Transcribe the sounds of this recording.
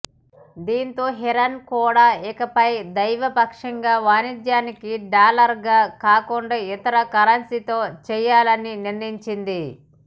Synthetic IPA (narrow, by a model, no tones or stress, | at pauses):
d̪iːnt̪o̞ːɦiɾɐnkuːɽaːɛkɐpɐjd̪ɐjʋɐpɐkʂɐŋɡaːʋaːnid̪jaːnikiɖaːlɐɾɡaːkaːkuɳɖait̪ɐɾɐkɐɾɐnsit̪o̞ːt͡ʃɛːjaːlɐniniɾniɲt͡ʃind̪i